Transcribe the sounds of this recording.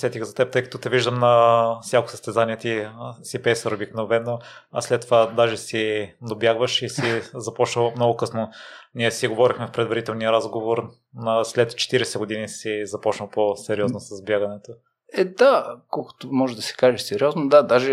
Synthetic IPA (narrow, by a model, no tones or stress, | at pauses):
sɛt̪ʲixzɐt̪ɛp̚t̪ɤjkɐ̥t̪ɔt̪ɛviʒd̪əmnɐfsjako̥səst̪ɛzaniɛt̪isipɛsɐɾobiknovɛnːo | ɐslɛt̪ːovad̪aʒɛsinobjaɡvəʃisizɐpɔt͡ʃnəlˠmnɔɡʊkɤsnoniɛsiɡovɔɾixmɛfpɾɛd̪vɐɾit̪ɛlˠnijəɾazɡovoɾ | nəslɛt̪t͡ʃɛ̥t̪iɾɛsɛɡʊd̪inisizɐpɔt͡ʃnəlˠposɛɾiɔznosɐzbʲjaɡɐnɛt̪o | ɛd̪akɔlˠko̥t̪omɔʒɛd̪ɐsɛ̥kaʒɛsɛɾiɔznod̪ad̪aʒɛ